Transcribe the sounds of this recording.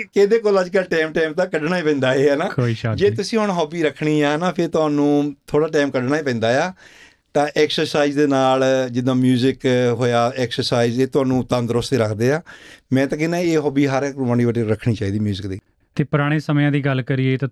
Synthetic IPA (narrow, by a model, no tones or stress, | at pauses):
ked̪eːkoːləd͡ʒkəlʈɛːmʈɛːmt̪aːkəɖnaːiːpɛ̃ːnd̪aːeːɛːnaːoːiʃad͡ʒeːt̪ʊsĩːɦʊɳɦɔːbiːɾəkʰɳiːaːnaːpʰɪɾt̪ʊɦaːnũːt̪ʰoːɽaːʈaːmkəɖnaːiːpɛ̃ːnd̪aːjaː | t̪ãːʔɛːksəɾsaːizd̪eːnaːld͡ʒɪd̪ãːmjuːzɪkɦoːjaːɛːksəɾsaːizeːt̪ʊɦãːnũːt̪ə̃nd̪ɾʊst̪eːɾəkʰd̪eːaːmɛ̃ːt̪ãːkɪnãːeːɦɔːbiːɦəɾkɾʊmaːñiːbəʈːɾəkʰɳiːt͡ʃaːiːd̪iːmjuːzɪkd̪iː | t̪eːpəɾaːɽ̃eːsəmjãːd̪iːɡəlkəɾiet̪ː